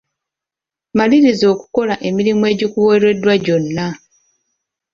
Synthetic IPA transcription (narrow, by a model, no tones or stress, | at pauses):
maliɾizo̞ːku̥ko̞laʔe̞miɾimue̞ːɟikuweɾwe̞dːwaɟo̞nːa